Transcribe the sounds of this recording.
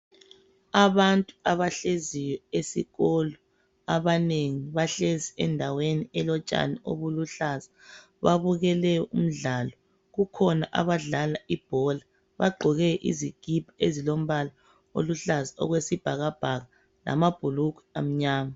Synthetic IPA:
aβantʼuaβaɬezijɔesḭɣɔlɔ | aβaneŋiβaɬeziɛndʱaweniɛlɔt͡ʃʼa̰nio̰βuluɬaza | βaβuɣɛlɛjɔṵm̩ɮalɔ | ɣukʰɔnaʔa̰βaɮalaʔib̥ʱɔla | βa̰ɡ͡ǃʱɔɣɛʔḭziɡ̥ʱib̥ʱaezilom̩βala | o̰luɬazaɔ̰ɣwesib̥ʱaɣab̥ʱaɣa | la̰mab̥ʱulukwɛ̥am̩ɲaːma

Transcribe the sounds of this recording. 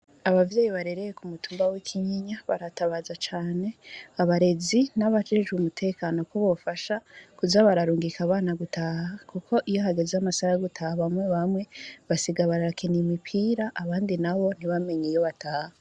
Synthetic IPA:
aβavjeːjiβaɾe̞ɾe̞jekumutʰuːmbawikʰiɲiɲaβaɾataβaːzat͡ʃaːne̞aβaɾe̞zinaβad͡ʒeʒumutʰe̞ːkano̞koβofaʃakuzaβaɾaɾuːŋɡikaβaːnaɡutʰaːhakukʰo̞ʔijo̞ɦaɡe̞zeamasaɾaɡutʰahaβamwe̞βamwe̞βasiɡaβaɾaakʰenimipʰiːɾaʔaβaːndinaβo̞n̥iβame̞ɲijo̞βataːha

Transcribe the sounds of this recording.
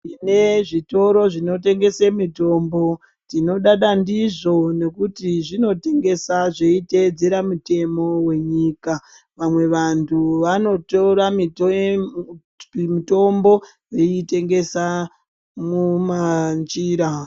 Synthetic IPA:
ine̞ʐito̞ɾo̞ʐino̞te̞ŋɡe̞semito̞mbo̞ | tino̞ɗaɗandiʐo̞ne̞kutiʐino̞te̞ŋɡe̞saʐe̞ited͡ze̞ɾamute̞mo̞we̞ɲika | ʋamwe̞ʋantʰuʋano̞toɾamit | mito̞mbo̞ | jeite̞ŋɡe̞sa | mumand͡ʒiːɾa

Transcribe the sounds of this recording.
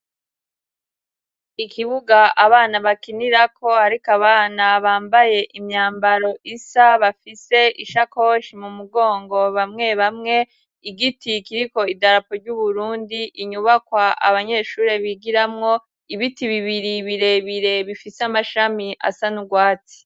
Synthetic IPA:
ikʰiβuɡaaβaːnaβakiniɾakʰo̞haɾikaβaːnaβaːmbaje̞ʔimɲaːmbaɾo̞ʔisaβafise̞ʔiʃako̞ʃimumuɡo̞ːŋɡo̞βamŋe̞βamŋe̞ | iɡitikiɾiko̞idaɾapoɾɟuβuɾuːndiʔiɲuβakwaʔa̰βaɲe̞ʃuːɾe̞βiɡiɾamŋo̞ | iβitiβiβiɾiβiɾe̞βiɾe̞βifisamaʃamiʔa̰sanuɡwaːt͡si̥

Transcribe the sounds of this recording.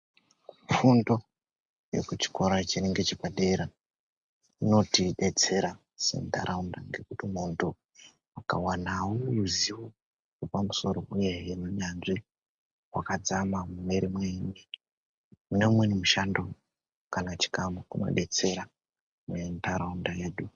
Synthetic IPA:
ufundo̞ | jḛkut͡ʃi̥ko̞ɾat͡ʃineŋɡet͡ʃikaɗeɾa | ino̞tiɗe̞t͡se̞ɾa | sḛnta̰ɾʔaundaŋɡe̞kutimuntʰu | aka̰wanawouziwo | ʐepamuso̞ɾo̞ʔuje̞jenuɲanʐi | wakad͡zamamumeɾimweni | une̞mwenimuʃando | kanat͡ʃi̥kamukuno̞̰ɗe̞t͡se̞ɾa | muentaɾaundaeːɗu

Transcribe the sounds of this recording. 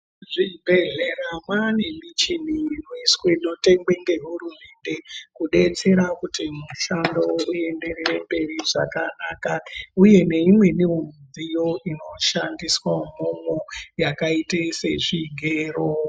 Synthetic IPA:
ʐibʱeɮeramwane̞mit͡ʃin̤inoisweino̞te̞ŋɡ͡be̞ŋɡe̞ɦurume̞nde̞kuɗe̞t͡se̞ɾakutimuʃando̞ue̞nde̞rerembe̞riʐa̰kanaːkauje̞ne̞imwe̞niwomd͡zijo̞ino̞ʃandiswam̤omojakaitesḛʐiɡʱeːro

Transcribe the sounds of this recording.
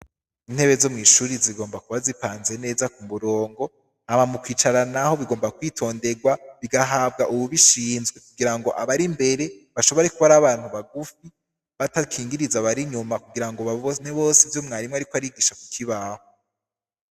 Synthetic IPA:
in̥he̞βezomŋiːʃuɾiziɡo̞ːmbakuβazipaːnze̞ne̞ːzakuβuɾo̞ːŋɡo̞ | hamamukwiːt͡ʃaɾanaho̞βiɡo̞ːmbakwiːtʰo̞ːnde̞ɡwaβiɡaɦaːb̚ɡaʔuβuβiʃiːnzɡwe̞kuɡiɾaŋɡo̞ʔaβaɾimbe̞ɾe̞βaʃo̞βo̞ɾe̞kuβaɾaβaːn̥huβaɡufi | βatakʰiːŋɡiɾizaβaɾiɲumakuɡiɾaŋɡoβaon̥eβo̞ːsivjo̞mŋaːɾimŋeaɾikoaɾiɡiːʃakukʰiβaho

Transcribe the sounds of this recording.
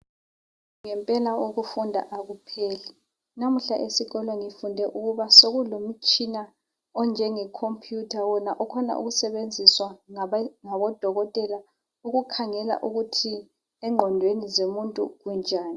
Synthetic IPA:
ŋɛmpʼɛlaoɣufundʱa̰ʔaɣupʰeːlɛ | nam̩ɬaʔesiɣɔlɔŋifundʱɛʔuɣuβasoɣulom̩t͡ʃʼina | ɔnd͡ʒʱɛŋɛkʰompʰʼjutʰawɔnaʔɔkʰɔna̰ʔṵɣusɛβend͡zʱiswaŋŋaβɔd̥ʱɔɣɔtʼɛla | uɣukʰaŋɛla̰ʔuɣutʰi | ɛŋ͡ǃʱɔndʱwenizomuntʼṵɣund͡ʒʱaːni

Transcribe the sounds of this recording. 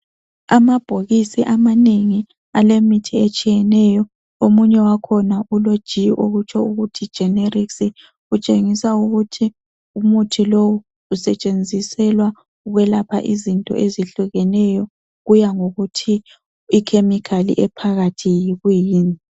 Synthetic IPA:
amab̥ʱoɣisiʔamaneŋi | alemitʰiet͡ʃʼijɛnɛjɔ | omuɲɛwakʰɔnaulod̥ʒ̥ʱiʔoɣut͡ʃʰɔuɣutʰid̥ʒ̥ʱɛneriksi | ut͡ʃʼeŋisauɣutʰi | umutʰilowu | usɛt͡ʃʼend͡zʱisɛlwa | uɣwɛlapʰa̰ʔizintʼɔ̰ʔeziɬuɣɛnɛjɔ | ɣujaŋoɣutʰi | ikʰemikʰalḭʔɛpʰaɣatʰijiɣujiːni

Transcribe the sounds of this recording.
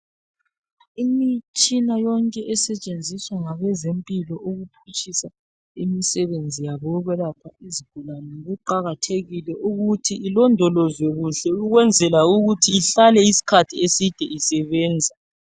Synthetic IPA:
imit͡ʃʼinajɔŋkʼɛʔɛsɛt͡ʃʼend͡zʱiswaŋaβɛzempʼilɔʔoɣupʰut͡ʃʼisa | imisɛβend͡zʱijaβɔɣɛlapʰaiziɡ̥ʱulanɛŋoɣuǃaɣatʰeɣilɛʔuɣutʰiilɔndʱɔlɔzwɛɣuɬɛuɣwɛnd͡zʱɛlauɣutʰiːɬalɛisi̥kʰatʰiesid̥ʱɛisɛβɛːnd͡zʱa

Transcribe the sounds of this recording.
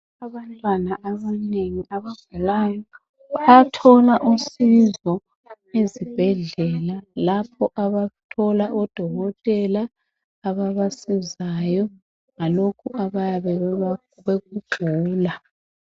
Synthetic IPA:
aβantʼwanaʔaβaneŋiʔaβab̥ʱulaːjɔ | atʰɔlaʔusizɔ | ezib̥ʱɛɮɛlalapʰɔʔaβatʰɔlaʔɔd̥ʱɔɣɔtʼɛlaː | βaβasizajɔ | ŋalokʰuʔaβajaβɛ | βeɣuɡ͡ǃʱuːla

